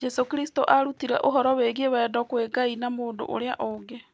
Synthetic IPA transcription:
d͡ʒɛsokiɾisi̥toʔaɾutiɾɛʔoɦɔɾɔweɣieβɛːdɔkweɡainamoːndo̰ʔo̰ɾea̰ʔoɡe

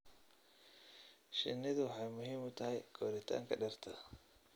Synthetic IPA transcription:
ʃɪ̰nːɪðʊwħɑjmʊɦiːmʊt̪ʰɐɦɛjɡʰɔːɾɪt̪ʰa̰ːŋkʰɐɖɐrt̪ʰɐ

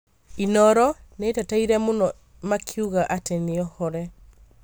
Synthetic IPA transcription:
inɔɾɔnetataiɾɛmonɔ | makʰiuɣaʔateneɔhɔɾɛ

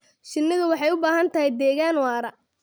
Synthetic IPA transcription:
ʃɪnːɪðɐwɑħɑjʊbaːɦɐnt̪ʰɐɦɛjd̪ɛːɣaːnwɑːɾɐ

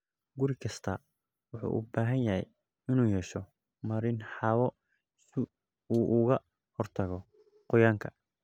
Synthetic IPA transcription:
ɡʊɾɪkʰɐst̪ʰɐ | wʊħṵːʔʊ̰baːɦɐnjɐɦɛ̰j | ɪnuːhɛʃɔ | mɐɾɪnħɑβɔ | sɪ | uːʔʊɣɐ | hɔrt̪ʰɐɣɔ | qʊjaːŋkʰɐ

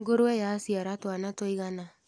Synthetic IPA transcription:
ɡoɾoɛjasiaɾatwanatoiɣana

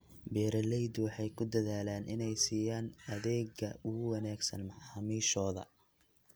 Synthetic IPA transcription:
bɛːɾɐlɛjd̪wɑħɑjkʰʊd̪ɐðaːlaːnʔɪnɛjsiːjaːnɐðɛːɡɐʔʊɣʊwɑnaːɡsɐ̰nmɑħɑmiːʃɔːðɐ̰

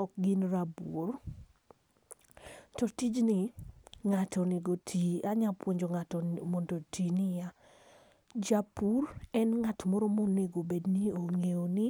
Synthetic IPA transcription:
ɔk̚ɡɪnɾabor | tɔtid͡ʒnɪŋatɔnɪɡotʰiaɲapwoɲd͡ʒoŋatɔmɔndotinɪja | d͡ʒapʰurɛnŋatmɔɾomɔnːeɡobednioŋeonɪ

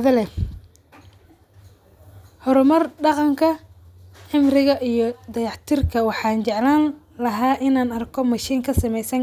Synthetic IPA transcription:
ðɐlɛ | hɔɾʊmɐrɖɑqɑŋkʰɐ | ħɪmrɪɣɐʔijɞd̪ɐjɑħt̪ʰɪrkʰɐwɑħɑːnt͡ʃɛʕlaːn | lɐɦaːʔɪnaːnɐrkʰɔmɐʃiːŋkʰɐsɐmɛjsɐŋ

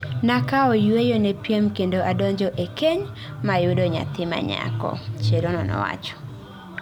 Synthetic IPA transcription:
nakaɔjwejonepjemkendoʔadɔɲd͡ʒɔʔekeɲ | majʊdoɲa̰t̪ɪma̰ɲa̰kɔ̰t͡ʃeɾonɔnɔ̰wa̰t͡ʃɔ̥

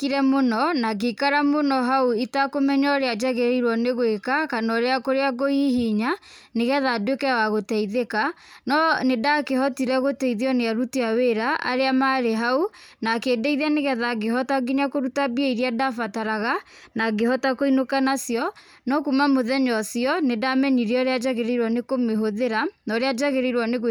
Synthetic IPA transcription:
kiɾɛmonɔnaɡekaɾamonɔɦauitakomɛɲɔɾead͡ʒaɣɛɾiɾwɔneɣwekakanɔɾeakoɾeaɡoihiɲa | neɣɛðadwekɛawaɣotɛiðeka | nɔnedakehɔtiɾɛɣotɛiðeɔneaɾutiaweɾaʔa̰ɾeamaɾeɦaunakeːdɛiðeaneɣɛðaɡeɦɔtaɡiɲakoɾutabiɛiɾiadafataɾaɣa | naɡeɦɔtakoinokanasjɔ | nɔkumamoðɛɲɔsiɔnedamɛɲiɾeɔɾead͡ʒaɣeɾeiɾwanekomeɦoðeɾanɔɾead͡ʒaɣeɾeiɾwaneɣ

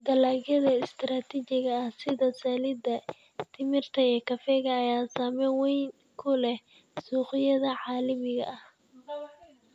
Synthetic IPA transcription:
d̪ɐlaːɣɐðɐɪst̪ʰɾaːt̪ʰit͡ʃɪɣɐɐhsɪðɐsaːlɪd̪ɐ | t̪ʰɪmɪrt̪ʰɐjɛkʰɐfɛɣɐːjaːsaːmɛwɛjn | kʰʊlɛ | suːqɪjɐðɐʕɑːlɪmɪɣɐ̰ʔɐh

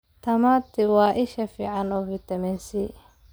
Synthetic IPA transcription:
t̪ʰɐmaːt̪ʰɪwɑːʔɪʃɐfiːʕɑnɔːvɪt̪ʰɐmɛnsi

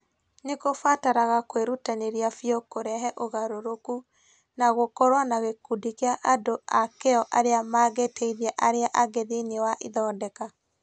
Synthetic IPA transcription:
nekofataɾaɣakweɾutaneɾiafiokoɾɛɦɛʔoɣaɾoɾoku | naɣokɔɾwanaɣekudikeaʔadoʔakeɔʔaɾeamaːɣetʰeiðɛʔaɾeaʔaɡeðinewaʔiðɔːdɛka

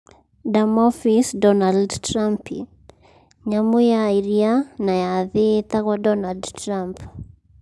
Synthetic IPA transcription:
damɔfisdɔnaldtɾampʰḭ | ɲamujaiɾianajaðit̪aɣwadɔnaldtɾamp

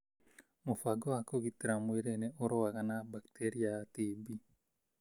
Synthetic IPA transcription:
mofaɡɔakoɡit̪ɾamweɾeneoɾowaɣanabaktʰeɾiat̪ibi

